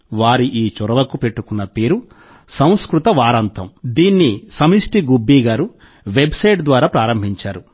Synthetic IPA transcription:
ʋaːɾiʔiːt͡ʃɔɾɐʋɐkupe̞ʈːukunːɐpe̞ːɾu | sɐw̃skɾut̪ɐʋaːɾɐnt̪ʰɐmd̪iːnːisɐmisʈiɡubːiːɡaːɾu | ʋe̞bsɐjʈd̪ʋaːɾaːpɾaːɾɐmbʱiɲt͡ʃaːɾu

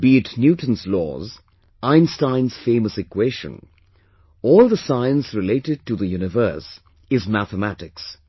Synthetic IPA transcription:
b̥itnjutn̩slɔ̰ːz | ãɪ̃nstãɪ̃nz̥fẽɪməsɨkʰweɪʃə̰̃n | ɔːlˠðəsãɪə̃nsɹɨleɪɾɪd̚tɨðəjunɨvɜ˞s | ɪzmæθəmæɾɪks

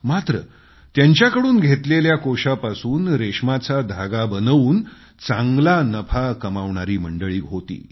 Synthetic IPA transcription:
mat̪ɾə̰ | t̪jaɲt͡ɕjakəɽuːnɡʱet̪leljakoɕapasuːnɾeɕmat͡sad̪ʱaɡabənəʋuːn | t͡sãŋɡlanəpʰakəmaʋɳaɾiːməɳɖəɭiːɦot̪ḭː

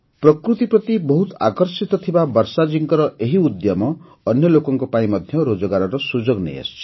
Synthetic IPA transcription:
prʌkɾut̪iprʌt̪ibɔɦut̪a̰kʌrsit̪ɔt̪ʰibabʌɾsad͡ʒiŋkɔɾʌʔeɦiud̪jamɔː | njʌlokɔŋkopaĩmʌd̪ʱjʌɾod͡zɔɡaɾɔɾʌsud͡ʒoɡnḛḛst͡ʃʰ

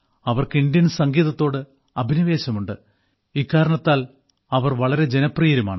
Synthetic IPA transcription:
ɐʋɐrkɨind̪jɐnsɐŋɡiːðɐt̪ːo̞ːɽɨ | ɐbʱinɐʋe̞ːɕɐmuɳɖɨ | ikːaːɾɐɳɐt̪ːaːl | ɐʋɐrʋɐɭɐɾe̞d͡ʑe̞nɐprijɐɾumaːɳɨ

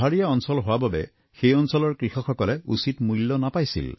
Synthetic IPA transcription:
aɹijaɔnsɔlɦowababɛ̰ | xejɔnsɔlɔɹkɹixɔxɔkɔlɛusitmujlːɔnapajsḭl

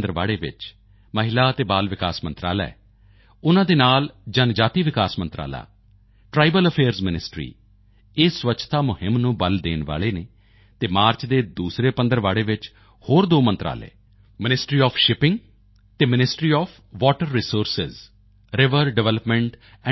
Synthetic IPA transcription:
d̪əɾʋaːɭeːʋɪ̰t͡ʃ | məɦɪlaːt̪eːbaːlʋɪkaːsmə̰̃nt̪ɾa̰ːla̰ɛ | ʊnãːd̪eːnaːld͡ʒənd͡ʒaːt̪iːʋɪkaːsmənt̪ɾa̰ːla̰ː | ʈɾaːibələpʰeːɾzmɪnɪsʈɾḭː | eːsʋətːt͡ʃʰt̪aːmʊhɪmnũːbəld̪eːnʋa̰ːleːneː | t̪eːmaːɾt͡ʃd̪eːd̪uːsɾeːpənd̪əɾʋaːɽeːʋɪt͡ʃ | hoːɾd̪oːmə̃nt̪ɾa̰ːlḛː | mɪnɪsʈɾiːɔːpʰʃɪpɪ̃ŋɡ | t̪eːmɪnɪsʈɾiːɔːpʰ | ʋɔːʈəɾːiːsoːɾsɪz | ɾɪʋəɾɖɪʋɛːləpmɛ̃ɳʈ | ɛ̃

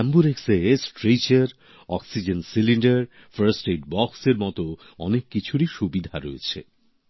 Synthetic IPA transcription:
ɛmbuɾeksesʈɾejt͡ɕeɾ | ɔksid͡ʑensiliɳɖeɾ | faɾsʈeʈ̚bɔkseɾmɔt̪o | ɔnekːit͡ɕʰuɾiʃubid̪ʱaɾoet͡ɕʰḛ

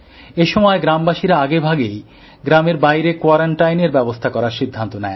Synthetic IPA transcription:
eʃɔmɔeɡɾambaʃiɾaaɡebʱaɡej | ɡɾameɾbajɾekwaɾaɳʈajneɾbɛbost̪ʰakɔɾaɾʃid̪ʱːant̪onɛe

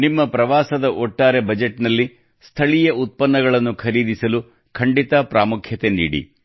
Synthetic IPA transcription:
nimːɐpɾɐʋaːsɐd̪ɐʔɔʈːaːɾe̞bɐd͡ʒeʈːnɐlːi | st̪ʰɐɭijɐut̪̚pɐnːɐɡɐɭɐnːukʰɐɾiːd̪isɐlu | kʰɐɳɖit̪ɐpɾaːmukʰjɐt̪enḭːɽḭ

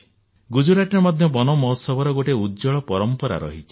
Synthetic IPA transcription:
ɡud͡ʒuɾaʈiɔmad̪ʱjɔbɔnɔmɔsɔbɔɾɔɡoʈeudd͡ʒɔɭɔpɔɾɔmpɔɾa̰ɾɔ̰ɦit͡ʃʰi̥

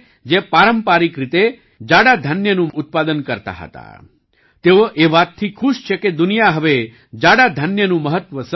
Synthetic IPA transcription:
d͡ʒepaɾəmpaɾikɾit̪e | d͡ʒaɽad̪ʱənjənũʔut̪̚pad̪ənkəɾt̪a̰ɦə̰t̪a̰ | t̪eoʔeʋat̪̚t̪ʰikʰuʃt͡ʃʰeked̪unijaɦəʋe | d͡ʒaɽad̪ʱənjənũməɦət̪ʋəs

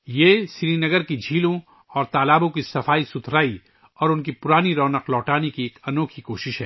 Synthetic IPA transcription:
jeːsɪɾinɐɡəɾkid͡ʒʱiːlõ | ɔːɾt̪aːlaːbõkisɐfaːisʊt̪ʰɾaːi | ɔːɾʊnkipʊɾaːniɾɔːnəqlɔːʈaːnekieːkɐnoːkʰikoːʃɪʃɦɛː

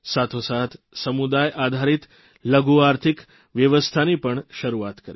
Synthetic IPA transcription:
sat̪ʰosat̪ʰsəmud̪ajʔad̪ʱaɾit̪ | ləɡuaɾt̪ʰik | ʋjəʋəst̪ʰanipəɳʃəɾuat̪kəɾe

